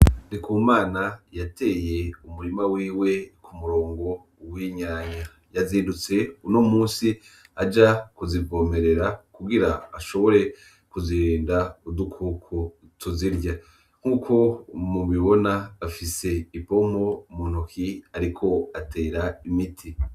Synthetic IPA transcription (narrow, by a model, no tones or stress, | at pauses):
dikuːmaːnajate̞ːje̞umuɾimawiːwe̞kʰumuɾo̞ːŋɡo̞ | wiɲaːɲa | jaziːndut͡se̞unomuːsi | ad͡ʒakuzivo̞me̞ɾe̞ɾakuɡiɾaːʃo̞βo̞ɾe̞ | kuziɾiːndaudukʰukʰu | tʰuziɾɟa | ŋ̥huːkʰo̞muβiβo̞naːfise̞ipo̞mo̞mun̥ukʰiaɾikʰo̞atʰe̞ːɾaimitʰi